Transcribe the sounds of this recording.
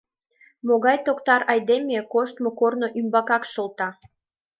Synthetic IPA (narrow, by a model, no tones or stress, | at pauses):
moɣɑjt̪okt̪ɑɾɑjd̪emʲekoʃt̪mokorno̽ʔymbɑkɑkʃolt̪ɑ